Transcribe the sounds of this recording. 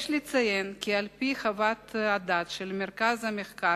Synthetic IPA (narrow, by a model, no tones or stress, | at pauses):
ʃlit͡sajenkʲialpiχavat̪ad̪at̪ʃelmeɾkazameχka